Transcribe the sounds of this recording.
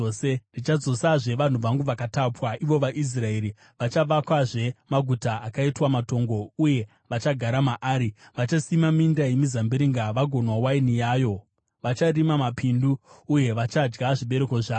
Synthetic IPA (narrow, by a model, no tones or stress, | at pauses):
serit͡ʃad͡zo̞saʐe̞ʋan̤uʋaŋɡuʋakatapwaiʋo̞ʋaʔis̬rae̞ɾi | ʋat͡ʃaʋakwaʐe̞maɡʱutaːkaitwamato̞ŋɡo̞uje̞ | ʋat͡ʃaɡʱaɾamaʔaːɾiʋat͡ʃasimamindajemizambiɾiŋɡaʋaɡʱo̞nwawainijaːjo̞ | ʋat͡ʃarimamapʰinduːje̞ʋat͡ʃad͡ʒɡaʐiɓe̞ɾe̞ko̞ʐaːo